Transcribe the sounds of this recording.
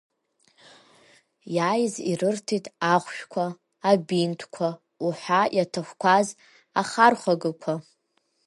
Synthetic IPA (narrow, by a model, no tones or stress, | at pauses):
jajzirɨrtʰitʼʰaχʷʃᶣkʷʰaː | bintʰkʷʰa | uħʷajatʰɨχʷkʷʰaz | aχarχʷaɡɨkʷʰa